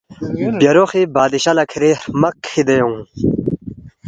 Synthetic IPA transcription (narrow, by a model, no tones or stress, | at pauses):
bjɐɾoxibaːd̪iɕɐlɐkʰiɾemɐkʰːid̪ejõ